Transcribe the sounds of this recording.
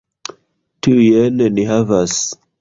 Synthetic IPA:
tʰujɛnɛniɦavas

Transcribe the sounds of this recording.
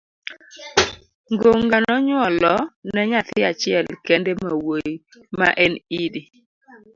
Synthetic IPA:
ŋɡoŋɡanɔɲwɔlɔnɛɲat̪ɪat͡ʃɪɛlkɛndemawoj | ma̰ʔɛnidi

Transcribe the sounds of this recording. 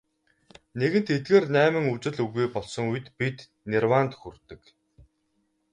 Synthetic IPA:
neɣɘ̆n̥t̪et̪̚ɣeːrnæːmɘ̆ŋut͡ɕɪ̆ɮuɣujpɔɮsɞ̆ŋuj̆t̪pit̪ | nerwant̪xurt̪ɘ̆k

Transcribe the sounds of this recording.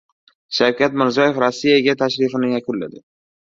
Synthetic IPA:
ʃawkʲʰat̪mɪɾzijɒjefɾɒsːijaɡʲat̪ʰaʃɾɪfɪnɪjakʰʊnlːa̰d̪ɪ

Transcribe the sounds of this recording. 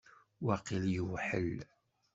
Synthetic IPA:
waqiljəwħə̰l

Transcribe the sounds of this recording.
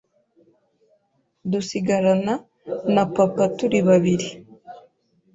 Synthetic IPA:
d̪usiɡaɾana | napapat̪uɾiβaβili

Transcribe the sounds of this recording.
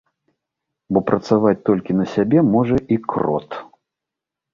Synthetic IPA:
bɔpɾɐt̪savat͡sʲt̪ɔlʲkʲinɐsʲabʲɛmɔʐɐʔikrɔ̰t̪

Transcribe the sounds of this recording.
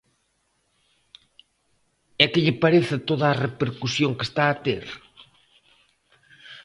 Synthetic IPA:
ɛkɪʎɪpaɾeθɪt̪oðaːrepeɾkusjoŋke̥st̪aːt̪ḛɾ

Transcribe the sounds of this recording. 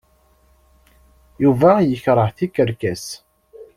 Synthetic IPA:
juvæjəçɾˤəħθikːəɾkæs

